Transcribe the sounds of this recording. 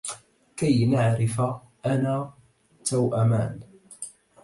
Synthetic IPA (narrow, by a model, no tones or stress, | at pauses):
kajnaʕɾɪfa | ʔanaː | t̪awʔama̰ːn